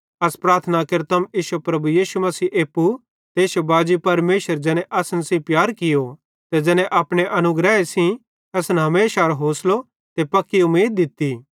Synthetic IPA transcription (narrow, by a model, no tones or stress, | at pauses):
ɐspɾaːɾt̪ʰənakɐɾt̪ɐmiːʃupɾɐbujiːsumɐsiːʔeːpːu | t̪eːsjobaːd͡ʒipɐɾmeːʃəɾd͡ʒɛːñɛ̃ʔɐsənsĩpjaːɾkɪjo | t̪ɛd͡ʒɛːnɛ̃ʔaːpɽ̃eʔɐnʊɡɾɛːesĩ | ɐsnɦɐmeːʃaɾɦoːslo | t̪epɐkːiʊmiːd̪̚ːɪt̪ːi